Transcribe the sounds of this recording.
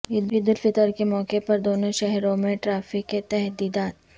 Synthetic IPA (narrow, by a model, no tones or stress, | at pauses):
ɪd̪ɪd̪ʊlfɪt̪əɾkemɔːkepɐɾd̪oːnoʃɛɦɾõmẽʈɾaːfɪkːet̪ɛɦd̪iːd̪aːt̪̚